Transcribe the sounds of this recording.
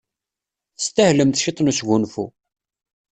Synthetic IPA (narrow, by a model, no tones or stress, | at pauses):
st̪æhləmθʃit̪ˤːnusʝunfu